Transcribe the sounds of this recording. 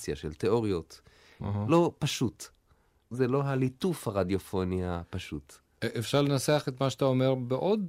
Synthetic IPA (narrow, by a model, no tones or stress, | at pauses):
sjaʃelt̪eoʁijo̞t̪ | ɦlo̞paʃut̪ | zelo̞ɦalit̪ufhaʁad̪jofo̞niapaʃut̪ | ʔefʃaʁlenaseaχet̪maʃataomeʁbeʔod̪